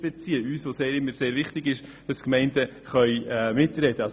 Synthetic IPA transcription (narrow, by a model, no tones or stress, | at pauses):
bɛt͡siːəyːsʋoseːɾɪmːəɾseːɾvɪχtɪɡɪʃd̥ɑskmɛɪndə | χœʏɛmɪtɾɛd̥əɑs